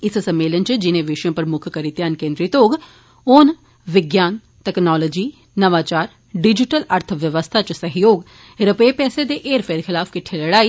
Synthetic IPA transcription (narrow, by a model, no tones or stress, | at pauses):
ɪssəmːeːlənt͡ʃd͡ʒɪnẽːʋɪʃjõːpəɾmʊkʰkəɾɪt̪jaːnkẽːnd̪ɾiːt̪oːɡ | ʊn | ʋɪɡjaːn | ʈɛːknɔːloːd͡ʒiː | nəʋaːt͡ʃaːɾ | ɖɪd͡ʒɪʈələɾt̪ʰʋjəʋəst̪ʰaːt͡ʃsəɦɪjoːɡ | ɾəpeːpɛːseːd̪eːʔeːɾpʰeːɾxʰɪlaːfkɪʈʰːeləɽaːiː